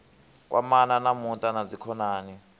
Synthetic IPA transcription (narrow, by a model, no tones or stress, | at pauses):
k̬ʼwʔa̰mananamuntʼanad͡zikʰɔnaːni